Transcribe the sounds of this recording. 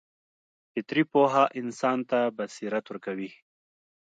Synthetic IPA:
fɪt̪ɾipoːɦaʔɪnsɑːnt̪abɐsiɾat̪wuɾkawi

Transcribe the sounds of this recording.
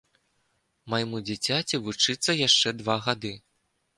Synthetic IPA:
majmud͡zʲit͡sʲat͡sʲivut͡ʂɨt̪sːɐjaʂt͡ʂɛd̪vaɣad̪ɨ

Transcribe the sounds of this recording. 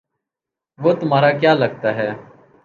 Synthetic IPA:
ʋoːt̪ʊmaːɾaːkjaːləɡ̚t̪aːɦɛː

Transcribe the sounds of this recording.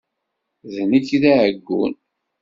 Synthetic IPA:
ðnəkːðæʕəɡːṵn

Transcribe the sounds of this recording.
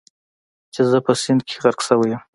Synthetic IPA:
t͡ʃezəpəsɪnd̪̚kʲʰe̥ɣaɾɡsəwəjəm

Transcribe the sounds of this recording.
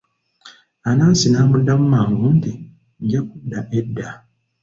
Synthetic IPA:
anaːsinaːmudːamumaːŋɡunti | ɟakudːaʔedːa

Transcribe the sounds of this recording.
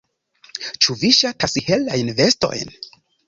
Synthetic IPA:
t͡ʃuviʃatʰasihe̞lajnve̞sto̞̰jn

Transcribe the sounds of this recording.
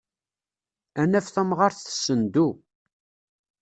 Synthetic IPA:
ænæfθæmʁɑɾθθə̥sːənd̪u

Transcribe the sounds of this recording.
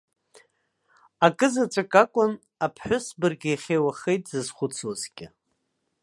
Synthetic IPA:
akʼɨzat͡ʃʷʼakʼakʷʼʊn | apʰħʷᶣʊsbɨrɡʲɪjχʲejwaχejtʼzɨzχʷʊt͡sʰozɡʲɪ

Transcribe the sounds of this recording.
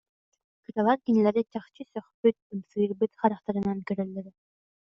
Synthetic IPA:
kɯt̪ɑlˠɑɾkinɛlæɾit͡ʃɑχt͡ʃɯsœχpyt̪̚ɯmsɯɾbyt̪χɑɾɑqt̪ɑɾɯ̆nɑnkøɾɛlːɛɾ

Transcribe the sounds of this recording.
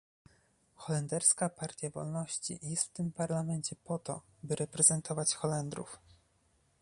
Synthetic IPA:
xɔlɛnd̪ɛɾskapaɾt̪ʲjavɔ̰lnɔɕt͡ɕḭjɛst̪ft̪ɘmpaɾlamɛɲt͡ɕɛpɔt̪ɔ̰ | bɘɾɛpɾɛzɛnt̪ʰɔvat͡ɕxɔlɛnd̪ɾṵf

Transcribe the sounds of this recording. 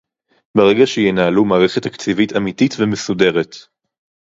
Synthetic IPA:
beʁeɡaʃejenaːlumaːʁeχetːakt͡sivitamititvemesude̞ʁet

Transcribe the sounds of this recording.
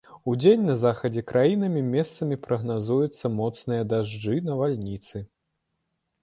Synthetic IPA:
ud͡zʲenʲnɐzaxɐd͡zʲɛkɾʔajinɐmʲimʲɛst̪sɐmʲipɾɐɣnazujɛt̪sːɐmɔt̪snɨjɐd̪aʐd͡ʐɨnɐvalʲnʲit̪sɨ

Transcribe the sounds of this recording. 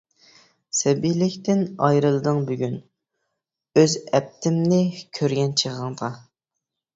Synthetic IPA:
sɛbijlɪkʲt̪ɪnɑjɾɨlˠɨd̪ɨŋbyɡʲyn | øzɛp̚t̪ʰɪmnɪkʲʰøɾɡʲɛnt͡ʃʰəʁɑŋd̪ɑ

